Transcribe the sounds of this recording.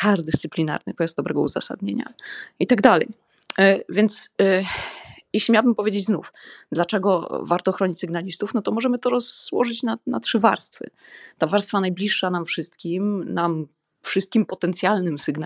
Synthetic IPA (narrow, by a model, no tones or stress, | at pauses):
kaɾd̪ɛst̪sɘplʲina̰ɾnɨ̰pɔjazd̪ɔbɾɛɡɔ̰ṵza̰sa̰d̪̚ɲeɲa̰it̪aɡd̪alɛ̰j | vʲjɛnt̪s | jeɕlʲimʲawabɘmpɔvʲjed͡ʑed͡ʑznṵfd̪lat͡ʂɛɡɔvaɾt̪ɔxɾɔɲit͡ɕsɨɡnalʲist̪ufnɔt̪ɔmɔʐɛmɘt̪ɔɾɔzwɔ̰ʐɘt͡ɕnanatʂɘva̰ɾst̪fɘ̰t̪avaɾst̪fanajblʲiʂːanamfʂɘst̪kʲimnam | fʂɨst̪̚kʲimpɔt̪ɛnt̪sʲjalnɘmsɨɡn